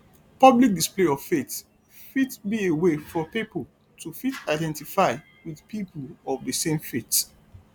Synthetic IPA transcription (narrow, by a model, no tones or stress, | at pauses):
pʌblik̚displeɔv̥fet | fitbiewefɔpipol | tʰufitaɪdɛ̃ntifaɪ | wiðpipʰəlɔvdəsẽmfit